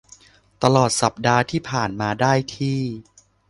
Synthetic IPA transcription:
t̪a˧lɔː˨˩t̪̚sa˨˩p̚daː˧t̪ʰiː˥˩pʰaː˨˩nmaː˧daː˥˩jt̪ʰiː˥˩

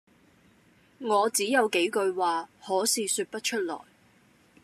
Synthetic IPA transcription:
ŋɔː˨˧t͡siː˨˥jɐ˨˧wke˨˥jkɵ˧ɥwaː˨hɔː˨˥siː˨˧syː˧t̚pɐ˥t̚t͡ʃʰɵ˥t̚lɔ̰ː˨˩j

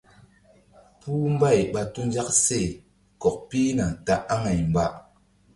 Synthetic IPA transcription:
puː˦m˦ba˦˨jɓa˨tu˦n˦d͡ʒa˦kse˦˨ | kɔ˨k̚pi˦na˨ta˦ʔa˦ŋa˨jm˨ba˦ʔ

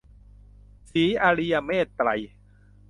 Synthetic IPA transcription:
siː˩˦ʔaː˧ɾi˧ja˧meː˥˩t̪ːɾa̰˨˩j

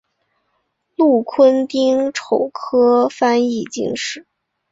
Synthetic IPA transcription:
lu˥˩kʰwə˥nt̪i˥ŋʈ͡ʂʰo˨˩ʊkʰɤ˥fa˥ni˥˧t͡ɕḭ˥˧ŋʂɻ̩˥˩

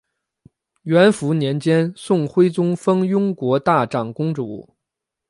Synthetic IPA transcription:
ɥɛ˧˥nfu˧˥njɛ˧˥nt͡ɕjɛ˥nsʊ˥˩ŋxwe˥ɪt͡sʊ˥ŋfɤ˥ŋjʊ˥ŋkwɔ˧˥t̪a˥˩ʈ͡ʂɑ˨˩ŋkʊ˥ŋʈ͡ʂu˧˩u˥˨˩

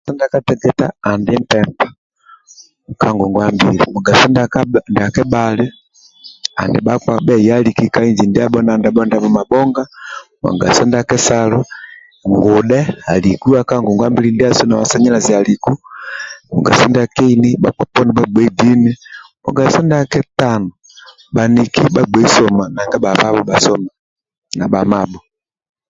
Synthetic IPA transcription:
a˨sɔ˦nda˨ka˦tɛ˦ɡɛ˨ta̰ː˨ndɛ˦m˦pɛ˨mpḁ˨ | ka˦ŋɡɔ˨ŋɡwa˦mbi˨lḭ˨mɔ˨ɡa˨sɔ˦ndakndi˨a˨kɛ˦ɓalɛ˦ | a̰˨ndɛ˨ɓa˦kwaɓɛ˦ja˦li˨ki˦ka˦i˦ɲd͡ʒi˨ndi˦a˦ɓɔ˦na˨nda˨bɔ˦nda˦vɔ˨ma˨bɔ˦ŋɡa˦ma̰˨ɡa̰˨sɔ˦nda˨kɛ˦salɔ˦ | ŋɡu˨ɗɛ˦a̰˨li˨ku˦a˦ka˦ŋɡu˨ŋɡwa˦mbi˦li˦ndi˦a˦sɔ˦na˨wa˨sa˦ɲɛ˦la˨zi˨a˨li˨ku˦mɔ̰˨ɡa̰˨sɔ˦ndɛ˦a˨kɛ˦i˦ni˦ɓa̰˨kwa˨pɔ˦ni˨ɓa˦ɡ͡bwɛ˨˦di˦ni˦mɔ̰˨ɡa˨sɔ˦nda˨kɛ˦ta˦nɔ˨ | ɓa˨ni˨ki˦ɓa˦ɡ͡bwɛ˨˦i˦sɔ˨ma˨na˨ŋɡa˦ba˨va˦βɔ˦ba˨sɔ˦ma | na˨ɓa˨ma˨ɓɔ˨

